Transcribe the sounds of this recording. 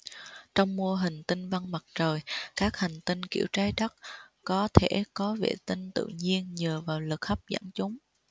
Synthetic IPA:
t͡ɕɔ˧wŋ͡mmu˧əɦï˨˩ŋ̟t̪i˧nva˧nmə˨˩t̚t͡ɕəː˨˩jkaː˦˥k̚ha˨˩jŋ̟t̪ï˧ŋnkḭ˧˩əwt͡ɕaː˧jɗə˦˥t̚kɔ˨˦t̪ʰe˧˩kɔ˨˦vḛ˧˩t̪i˧nt̪ɨ̰˧˨ɲi˧ənɲəː˨˩vaː˨˩wlɨ˨˩k̚xə˦˥p̚za̰˧˩nt͡ɕʊ˨˦ŋ͡m

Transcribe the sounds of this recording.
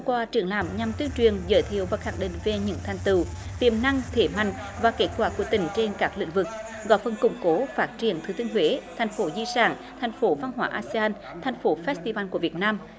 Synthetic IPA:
kwaː˧˩t͡ɕɨ˧˩əŋlaː˧˩mɲa˨˩mt̪i˧əŋt͡ɕwi˨˩ənzə̰ː˧˦jt̪ʰi˧˨əwvaː˨˩xa˦˧˥ŋɗḭ˧˨ŋ̟ve˨˩ɲɨ̰˧˥ŋt̪ʰa˨˩jŋ̟t̪ɨ̰˧˩t̪i˧˩əmna˧ŋt̪ʰe˧˩ma̰˧˨jŋ̟ | vaː˨˩ke˦˥t̚kwaː˧˩ku˧˩ət̪ï˧˩ŋ̟t͡ɕe˧nkaː˦˥k̚lḭ˧˥ŋ̟vɨ˨˩k̚ | ɣɔ̰˧˥jfə˨˩nkʊ̰˨˧˩ŋ͡mko˨˦faː˦˥t̚t͡ɕi˧˩ənt̪ʰɨ˨˦t̪i˧əŋɦwe˨˦t̪ʰɛ˨˩jŋ̟fo˨˦zḭ˧saː˧˩n | t̪ʰa˨˩jŋ̟fo˨˦va˧nɦwa̰ː˧˩ʔaː˧si˧aː˧n | t̪ʰɛ˨˩jŋ̟fo˨˦fɛ˦˥st̪i˧vaː˧nku˧˩əvi˨˩ət̚naː˧m

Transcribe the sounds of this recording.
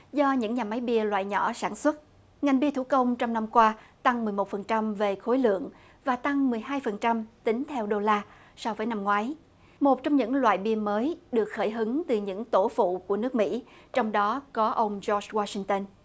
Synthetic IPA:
zɔ˧ɲɨ̰˧˥ŋɲaː˨˩ma˨˦jɓi˧əlwa̰ː˧˨jɲɔ˧˩saː˧˩nswə˦˥t̚ | ŋa˨˩jŋ̟ɓi˧ət̪ʰu˧˩kə˧wŋ͡mt͡ɕɔ˧wŋ͡mna˧mkwaː˧t̪a˧ŋmɨ˨˩əjmo˨˩t̚fə˨˩nt͡ɕa˧mve˨˩xo˨˦jlɨ̰˧˨əŋ | vaː˨˩t̪a˧ŋmɨ˨˩əjɦaː˧jfə˨˩nt͡ɕa˧mt̪ï˨˦ŋt̪ʰɛ˧wɗo˧laː˧ | sɔ˧wvəː˨˦jna˧mŋwaː˨˦j | mo˨˩t̚t͡ɕɔ˧wŋ͡mɲɨ̰˧˥ŋlwa̰ː˧˨jɓi˧əməː˨˦jɗɨ˨˩ək̚xəː˧˩jɦɨ˨˦ŋt̪ɨ˨˩ɲɨ̰˧˥ŋt̪o˧˩fṵ˧˨ku˧˩ənɨ˦˥ək̚mḭ˧˥t͡ɕɔ˧wŋ͡mɗɔ˨˦kɔ˨˦ʔə˧wŋ͡mzɔ˧swaː˧sï˧ŋt̪ə˧n

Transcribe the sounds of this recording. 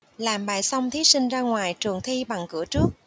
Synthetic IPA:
laː˨˩mɓaː˨˩jsa˧wŋ͡mt̪ʰi˨˦˥si˧ŋ̟zaː˧ŋwaː˨˩jt͡ɕɨ˨˩əŋt̪ʰi˧ɓa˨˩ŋkɨ̰˧˩ət͡ɕɨ˦˥ək̚

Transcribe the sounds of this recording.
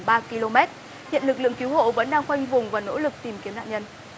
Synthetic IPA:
ɓaː˧ki˧lo˧mɛ˦˥t̚ | hḭ˧˨ənlɨ˨˩k̚lɨ̰˧˨əŋki˨˦who̰˧˨və̰˧˥nɗaː˧ŋxwa˧jŋ̟vʊ˨˩ŋ͡mvaː˨˩no̰˧˥lɨ˨˩k̚t̪i˨˩mki˨˦əmna̰ː˧˨ɲə˧n

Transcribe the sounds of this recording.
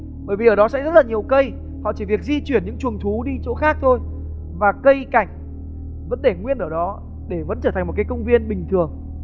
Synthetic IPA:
ɓəː˧˩jvi˨ʔəː˩ɗɔ˨˦sɛ̰˧˥zə˦˥t̚laː˨˩ɲi˨˩əwkə˧j | hɔ̰˧˨t͡ɕi˧˩vi˨˩ək̚zi˧t͡ɕwi˧˩ənɲɨ̰˧˥ŋt͡ɕwu˨˩əŋt̪ʰu˨˦ɗi˧t͡ɕo̰˧˥xaː˦˥k̚t̪ʰo˧j | vaː˨˩kə˧jka˧˩jŋ̟ | və˨˧˥nɗe˧˩ŋwi˧ənʔəː˧˩ɗɔ˨˦ | ɗe˧˩və̰˧˥nt͡ɕəː˧˩t̪ʰa˨˩ŋmo˨˩kaː˨˦kə˧wŋ͡mvi˧ənɓï˨˩ŋ̟t̪ʰɨ˨˩əŋ

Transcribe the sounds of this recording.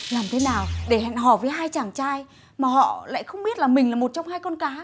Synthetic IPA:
laː˨˩mt̪ʰe˨˦naː˨˩wɗe˧˩hɛ̰˧˨nɦɔ˧˩vəː˨˦jɦaː˧jt͡ɕaː˧˩ŋt͡ɕaː˧j | maː˨˩hɔ̰˧˨la̰ː˧˨jxə˧wŋ͡mɓi˦˥ət̚laː˨˩mï˨˩ŋ̟laː˨˩mo˨˩t̚t͡ɕɔ˧wŋ͡mhaː˧jkɔ˧nkaː˨˦

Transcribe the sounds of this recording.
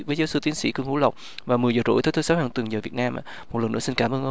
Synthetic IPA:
vəː˨˦jzaː˨˦wsɨ˧t̪i˨˦ənsḭ˧˥kɨ˧əŋhṵ˧˥lə˨˩wk͡p̚ | vaː˨˩mɨ˨˩əjzəː˨˩t͡ɕo̰˧˥jt̪əː˧˦t̪ʰoː˧˦sa˨˦haː˨˩t̪wɨ˨˩ŋzəː˨˩vi˨˩ət̚naː˧mʔa̰˧˨mo˨˩t̚lə˨˩nʔɨ̰˧˥əsi˧nkaː˧˩mʔəː˧nh

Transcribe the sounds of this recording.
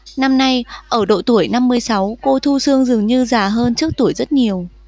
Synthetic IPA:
na˧mna˧jʔəː˧˩ɗo̰˧˨t̪u˧˩əjna˧mːɨ˧əjsa˨˦wko˧t̪ʰu˧sɨ˧əŋzɨ˨˩əŋɲɨ˧zaː˨˩ɦəː˧nt͡ɕɨ˦˥ək̚t̪u˧˩əjzə˦˥t̚ɲi˨˩əw

